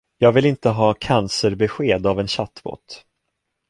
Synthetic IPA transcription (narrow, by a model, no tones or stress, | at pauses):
jɑːɡvɪlɪnt̪əɦɑːkʰansəɾbɛɧeːd̪avɛnɕat̪ːbo̰ːt̪